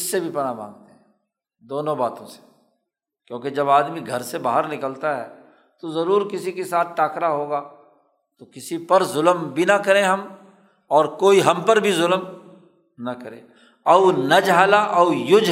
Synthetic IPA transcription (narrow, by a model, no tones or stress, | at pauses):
ɪsːebʱipɐnabʱã̰ːŋɡ̚t̪eɦɛ̃ː | d̪oːnõbaːt̪õse̥ | kjõːked͡ʒɐbaːd̪miɡʱɐɾsebaːɦəɾnɪkəlt̪aɦɛː | t̪ozɐɾuːɾkɪsikesaːt̪̚ʰʈaːkɾaɦoːɡaː | t̪okɪsipɐɾzʊləmbʱinɐkɐɾẽɦɐm | ɔːɾkoːiɦɐmpɐɾbʱizʊlm | nɐkɐɾḛ̃ː | ɐʊnɐd͡ʒaːlaʔɐʊjʊd͡ʒ